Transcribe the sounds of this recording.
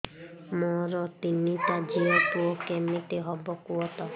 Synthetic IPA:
mɔɾɔt̪init̪ad͡ʒiɔpuɔkɛmit̪eɦɔbɔkuɔt̪ɔ

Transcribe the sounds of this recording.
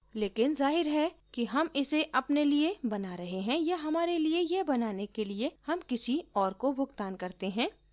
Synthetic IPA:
leːkɪnzaːɦɪɾɦɛkiɦɐmɪseʔɐpneliebɐnaɾɐɦeɦɛ̃jaɦɐmaːɾeliejebɐnaːnekeliehɐmkɪsiɔːɾkobʱʊɡt̪aːnkɐɾt̪eɦɛ̃ː

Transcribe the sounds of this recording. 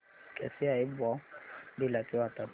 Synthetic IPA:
kʼɛsɪaɪbɔdɪlat͡sʼɪwatʼa

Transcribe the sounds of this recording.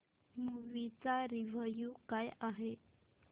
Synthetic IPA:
muʋit͡saɾiʋəjukajaɦe

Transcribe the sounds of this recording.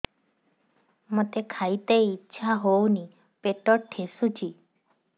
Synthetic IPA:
mot̪ekʰajt̪ejːtːʃʰaɦowni | peʈɔɾʈʰesut͡ʃʰi

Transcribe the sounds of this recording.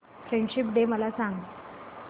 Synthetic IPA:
fɾeɳɖɕipɖeməlasaŋɡ

